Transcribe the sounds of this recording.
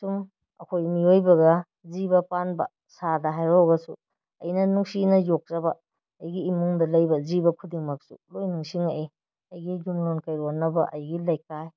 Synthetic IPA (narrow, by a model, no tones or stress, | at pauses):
sum | ɐ̰kʰojmiojbɐɡɐ | zibɐpanbɐ̰ | sadɐɦajoɡɐsu | ɐ̰jnɐnuŋsinɐjok̚zɐbɐː | jɡiːmuŋdɐlɐjbɐzibɐkʰudiŋmɐk̚sṵlojnuŋsiŋaʔe | ɐjɡiɡumlonkajɾonːɐbɐ̰ʔɐjɡilajkaj